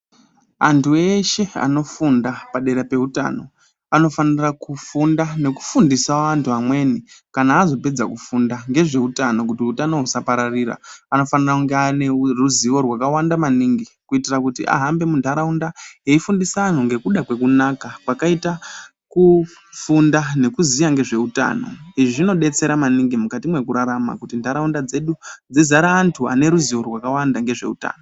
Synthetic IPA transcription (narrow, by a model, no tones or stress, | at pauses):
a̰ntʰue̞ʃe̞a̰no̞fundapaɗe̞ɾape̞uta̰no̞ | ano̞fanirakufundane̞ku̥fundisaʋantʰuamwe̞nikanaːzo̞pe̞d͡zakufundaŋɡe̞ʐe̞utano̞k̬utiutano̞usapaɾariɾa̰ano̞fanirakuŋɡeane̞ruziʋo̞rwakawandamaniːŋɡikuitirakutḭʔa̰ɦambe̞muntʰaɾaundaeifundisan̤uŋɡe̞kuɗakwe̞kunakakwakaita | ku | fundane̞kuzijaŋɡe̞ʐe̞uta̰no̞̰iʐiʐino̞ɗe̞t͡se̞ɾamaniŋɡimukatimwe̞kuɾaɾama̰kutindaɾaundad͡ze̞ɗud͡zizaɾaːntʰua̰ne̞ɾuziwo̞rwakawandaŋɡe̞ʐe̞̰ṵta̰ːno